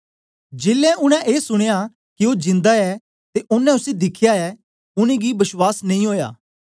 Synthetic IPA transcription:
d͡ʒeːlːɛ̃ʔʊñɛ̃ʔeːsʊɽ̃eja | kɪoːd͡ʒɪ̃nd̪aɛː | t̪eʔʊnɛ̃ʊsed̪ɪkʰjaɛː | ʊnẽːɡibɐswaːsnɐĩːɦoːja̰ː

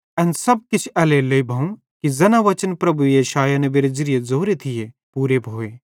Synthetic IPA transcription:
ɐnsɐb̚kɪt͡ʃʰɐleleibʱɐũ | kizɐnaʋɐt͡ʃənpɾɐbujeːʃaːjanebeːɾezɪɾijezoːɾet̪ʰije | puːɾebʱoːeː

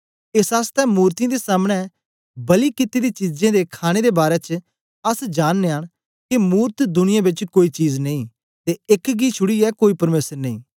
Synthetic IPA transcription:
esaːst̪ɛmuːɾt̪ij̃d̪esaːmɽ̃ɛ | bɐlikɪt̪id̪it͡ʃid͡ʒẽd̪ekʰaːɽ̃ed̪ebaːɾɛt͡ʃ | ɐsd͡ʒaːnːeaːɽ | kimuːɾt̪d̪ʊnɪjãbɪt͡ʃkoːit͡ʃiːznɐĩ | t̪eɪkɡit͡ʃʰʊɽiɛkoːipɐɾmeːsəɾnɐ̃ĩː

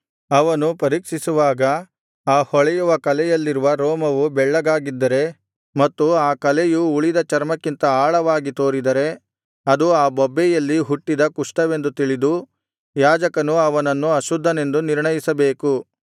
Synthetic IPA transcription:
ɐʋɐnupɐɾiːkʂisuʋaːɡɐ | aːhɔɭɛjuʋɐkɐlɛjɐlːiɾuʋɐɾoːmɐʋubɛɭːɐɡaːɡid̪ːɐɾe̞ | mɐt̪ːuaːkɐlɛjuuɭid̪ɐt͡ʃɐɾmɐkːint̪ɐaːɭɐʋaːɡit̪o̞ːɾid̪ɐɾe̞ | ɐd̪uaːbɔbːɛjɐlːiɦuʈːid̪ɐkuʂʈɐʋe̞nd̪ut̪iɭid̪u | jaːd͡ʒɐkɐnuɐʋɐnɐnːuɐʃud̪ʱːɐne̞nd̪uniɾɳɐjisɐbe̞ːku

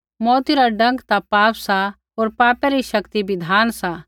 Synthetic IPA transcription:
mɔːt̪iɾaɖɐ̃ŋɡt̪apaːpsa | ɦoːɾpaːpɛɾiʃɐkt̪ibɪd̪ʱaːnsa

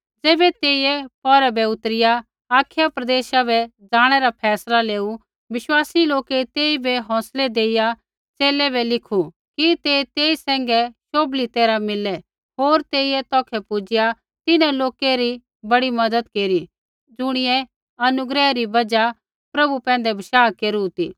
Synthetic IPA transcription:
d͡zɛːbɛt̪eːiɛpɔɾɛbɛʊt̪ɾɪja | aːkʰjapɾɐd̪eːʃabɛd͡zaːɽ̃ɛɾapʰɛːslaleːu | ʋɪʃwaːsiloːket̪eːibɛɦɔ̃ːsled̪eːɪja | t͡seːlɛbɛlɪkʰu | kit̪eːt̪eːisɛ̃ːŋɡɛʃoːblit̪eːɾamɪlɛ | ɦoːɾt̪eːiɛt̪ɔːkʰɛpʊd͡ʒɪja | t̪ɪnɛ̃loːkeɾi | bɐɽimɐd̪əd̪keːɾi | d͡zʊɽ̃ɪjɛ | ɐnʊɡɾɛɾibɐd͡ʒa | pɾɐbupɛ̃ːn̆d̪ɛbʱɐʃaːkeːɾut̪iː

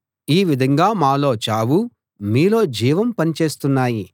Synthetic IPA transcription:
iːʋid̪ʱɐŋɡaːmaːlo̞ːt͡ʃaːʋu | miːlo̞ːd͡ʒiːʋɐmpɐnit͡ʃe̞ːst̪unːaːji

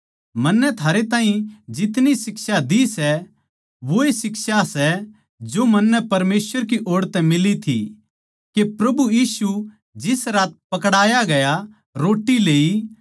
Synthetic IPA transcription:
mɐnːɛt̪ʰaːɾet̪ãːɦĩd͡ʒɪt̪nisɪksad̪isɛ | ʋoesɪksasɛ | d͡ʒomɐnːɛpɐɾmeːsʋəɾkiʔoːɽt̪ɛmɪlit̪ʰḭ | kepɾɐbujiːsu | d͡ʒɪsɾaːt̪̚pɐkɽaːjaɡɐja | ɾoːʈːileːi

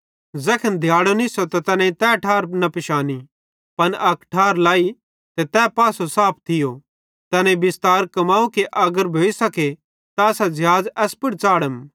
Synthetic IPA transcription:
zɛkʰənd̪ʱjaːɽonɪsot̪at̪ɐnẽt̪ɛʈʰaːɾnɐpɪʃaːni | pɐnʔɐkʈʰaːɾlaːi | t̪et̪ɛːpaːsosaːp̚ʰt̪ʰɪjo | t̪ɐnẽbɪst̪aːɾkɐmaːukeʔɐɡəɾbʱoːisɐke | t̪aɐsad͡ʒɐɦaːd͡zɛːspʊɽt͡saːɽəm

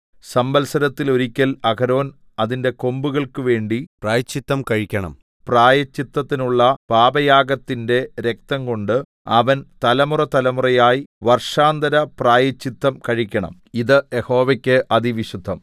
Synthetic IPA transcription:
sɐmbɐlsɐɾɐt̪ːilo̞ɾikʲːɐlɐkɐɾo̞ːn | ɐðinde̞ko̞mbuɣɐɭkɨʋe̞ːɳɖipraːjɐt͡ɕːit̪ːɐmkɐɻikʲːɐɳɐ̰m | praːjɐt͡ɕːit̪ːɐt̪ːinuɭːɐpaːbɐjaːɡɐt̪ːinde̞ɾe̞k̚t̪ɐŋko̞ɳɖɨ | ɐʋɐnt̪ɐlɐmurɐt̪ɐlɐmurɐjaːjiʋɐrʂaːnd̪ɐɾɐpraːjɐt͡ɕːit̪ːɐmkɐɻikʲːɐɳɐ̰m | iðɨjeho̞ːʋɐkʲːɨʔɐðiʋiɕud̪ʱːɐm

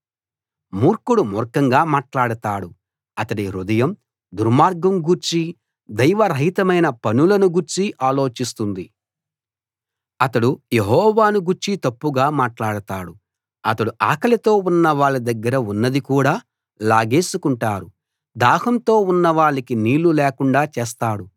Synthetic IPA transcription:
muːɾkuɽumɔɾkɐŋɡaːmaːʈlaːɽɐt̪aːɽu | ɐt̪ɐɽiɾud̪ɐjɐm | d̪uɾmaːɾɡɐmɡuɾt͡ʃi | d̪ɐjʋɐɾɐɦit̪ɐmɐjnɐpɐnulɐnuɡuɾt͡ʃiʔaːlo̞ːt͡ʃist̪und̪i | ɐt̪ɐɽujeɦɔːʋaːnuɡuɾt͡ʃit̪ɐpːuɡaːmaːʈlaːɽɐt̪aːɽu | ɐt̪ɐɽuʔaːkɐlɐt̪o̞ːunːɐʋaːɭːid̪ɐɡːɐɾɐunːɐd̪ikuːɽaː | laːɡeːsukuɳʈaːɾu | d̪aːhɐmt̪o̞ːunːɐʋaːɭikiniːɭːuleːkuɳɖaːt͡ʃeːs̬t̪aːɽu

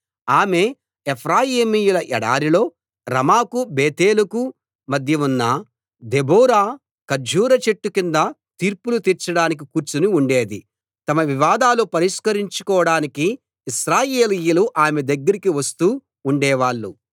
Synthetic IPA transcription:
aːme̞ | epʰɾaːjiːmijulɐʔɛɽa̰ːɾilo̞ː | ɾɐmaːkubeːt̪e̞ːluku | mɐd̪ʱjɐunːɐ | d̪eboːɾaː | kɐɾd͡ʒʱuːɾɐt͡ʃeʈːukind̪ɐt̪iːɾpulut̪iɾt͡ʃɐɽaːnik̬ikuːɾt͡ʃunuuɳɖeːd̪i | t̪ɐmɐʋiʋaːd̪aːlupɐɾiʂkɐɾiɲt͡ʃu̥kɔːɐɽaːnikiː | ʃɾaːjeːlijɐluʔaːmed̪ɐɡːɐɾikiʋɐst̪uː | uɳɖɛːʋaːɭːu

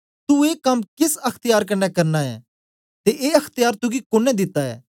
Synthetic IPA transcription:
t̪ueːkɐmkɪsɐkʰt̪ɪjaːɾk̬ɐnːɛkɐɾnaɛ̰ː | t̪eʔeːɐkʰt̪ɪjaːɾt̪ʊɡikoːnɛd̪ɪt̪ːaɛ̰ː

